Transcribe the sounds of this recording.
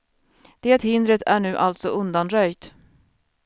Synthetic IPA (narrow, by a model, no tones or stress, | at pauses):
d̪̥eːt̪hɪnd̪ɾət̪ʰæɳʉ̟ːʔalt̪sɔʔɵnd̪anɾœjt̪